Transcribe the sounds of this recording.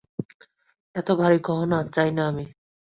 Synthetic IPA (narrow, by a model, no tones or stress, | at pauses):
ɛt̪obʱaɾiɡɔɦonatt͡ɕajnaami